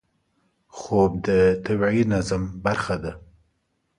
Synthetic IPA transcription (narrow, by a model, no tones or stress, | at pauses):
xob̚d̪ət̪awʕinazambaɾxad̪a